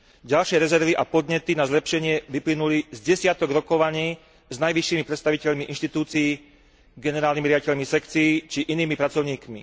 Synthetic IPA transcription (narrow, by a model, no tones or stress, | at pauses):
ɟalʃɪɛɾɛzɛɾʋiʔapɔd̪ɲɛt̪inazlɛpʃɛɲɪɛʋiplinulizɟɛsɪat̪ɔɡɾɔkɔʋaɲiː | znajʋiʃːimipɾɛt̪st̪aʋicɛʎmiʔinʃt̪it̪uːt͡sijː | ɡɛnɛɾaːlnimiɾɪaɟicɛʎmisɛkt͡sijːt͡ʃiʔiniːmipɾat͡sɔʊɲiːkmḭ